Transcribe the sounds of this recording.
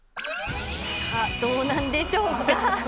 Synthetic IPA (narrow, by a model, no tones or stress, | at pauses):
at̪onand̪ed͡ʑoa